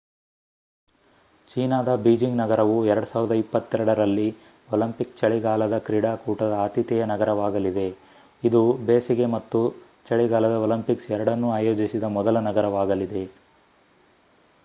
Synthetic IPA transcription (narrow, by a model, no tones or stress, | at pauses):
t͡ʃiːnaːd̪ɐbiːd͡ʒiŋɡnɐɡɐɾɐʋuɛɾɐɽusaːʋɾd̪ɐipːɐt̪ːɛɾɐɽɐɾɐlːi | ɔlɐmpikt͡ʃɐɭiɡaːlɐd̪ɐkɾiɽaːkuːʈɐd̪ɐaːt̪it̪ɛjɐnɐɡɐɾɐʋaːɡɐlid̪e̞ | id̪ubeːsiɡe̞mɐt̪ːu | t͡ʃɐɭiɡaːlɐd̪ɐolɐmpiksɛɾɐɽɐnːuaːjoːd͡ʒisid̪ɐmɔd̪ɐlɐnɐɡɐɾɐʋaːɡɐlid̪e̞